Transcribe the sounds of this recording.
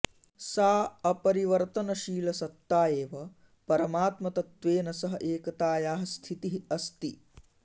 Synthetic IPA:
saːɐpɐɾiʋɐɾt̪ɐnɐʃiːlɐsɐt̪ːaːjeːʋɐ | pɐɾɐmaːt̪mɐt̪ɐt̪ʋeːnɐsɐɦɐʔeːkɐt̪aːjaːɦɐst̪ʰit̪iɦɐst̪i

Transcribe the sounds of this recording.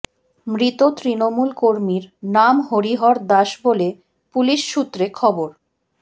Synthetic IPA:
mɾit̪ot̪ɾinomulkoɾmiɾnamɦoɾiɦɔɾd̪aʃbole | puliʃːut̪ːɾekʰɔboɾ

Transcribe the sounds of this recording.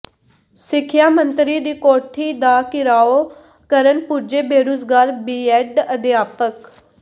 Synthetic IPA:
sɪkʰjaːmənt̪ɾiːd̪iːkoːʈʰiːd̪aːkɪɾaːoː | kəɾənpuːd͡ʒeːbeːɾoːzɡaːɾbiːɛɖəd̪jaːpək

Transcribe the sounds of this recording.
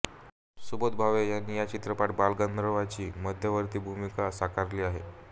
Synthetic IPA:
subət̪̚bʱaʋejanːiːjat͡ɕit̪ɾəpaʈ̚balɡənd̪ɾəʋat͡ɕiːməd̪ʱjəʋəɾt̪iːbʱumikasakaɾliːaɦḛ

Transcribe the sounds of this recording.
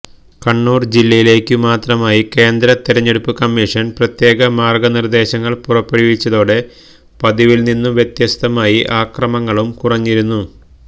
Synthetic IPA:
kɐɳːuːrd͡ʑilːɐjile̞ːkʲːɨmaːt̪rɐmaːjike̞ːnd̪ɾɐt̪iɾɐɲːe̞ɽupːɨkɐmːiʂɐnprɐt̪je̞ːɣɐmaːrɡɐnird̪e̞ːɕɐŋːɐɭpurɐpːeɽiʋit͡ɕːɐðoːɽe̞ | pɐðiʋilninːuʋjet̪jɐst̪ʰɐmaːjiʔaːkrɐmɐŋːɐɭumkurɐɲːiɾunːu

